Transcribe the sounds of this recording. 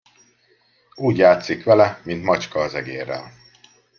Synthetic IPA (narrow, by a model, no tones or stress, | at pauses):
uːɟjaːt̪sikʋɛlɛmint̪mɒt͡ʃkɒːzɛɡeːrːɛ̰l